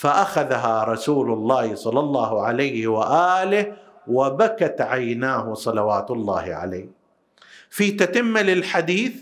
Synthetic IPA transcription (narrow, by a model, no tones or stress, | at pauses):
faʔaxaðaɦaɾˤɑsuːlʊlˤːɑːhsˤɑlːɑlˤːɑːhʕalajhɪwaʔaːlɪh | wabakat̪ʕajnaːhʊsˤɑlɑwaːt̪lˤːɑ̰ːhɪʕa̰lajːh | fiːt̪at̪ɪmːalɪlħad̪iːθ